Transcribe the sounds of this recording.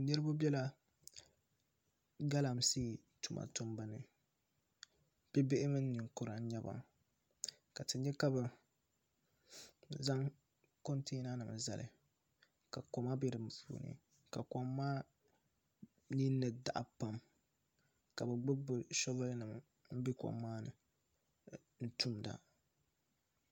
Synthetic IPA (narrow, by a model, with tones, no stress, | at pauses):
nɨ˦ɾɨ˦ba˦bɛ˦la˦ | ɡa˦la˨msiː˦˨ | tu˨mʔa̰˨tʊ˦mba˦nɨ˨ | b̥ɛ˦bɪ˦ʔɪ˦mɨ˦n˦nɨ˨ŋkʊ˨ɾa˨˦ɲɛ˦ba̰˦ | ka˨tɨ˨ɲɛ˦ka˦bɨ˨ | za˦ŋ | ko˦nte˦na˦nɨ˨m˨za̰˨lɨ̰˨ | ka˨ko˨ma˦bɛ˦dɨ˨m˨pṵː˨nɨ̰˨ | ka˨kɔ˨mːaː˦ | ni˦nːɨ˨da˨ʔa˨pa˦m | ka˨bɛ˨ɡ͡bɨ˦bɨ˨ʃɔ˦blnɨ˨m˨ | m̩˦bi˦kɔ̰˨mːaː˦nɨ̰˨ | n̩˦tu˦mda̰˨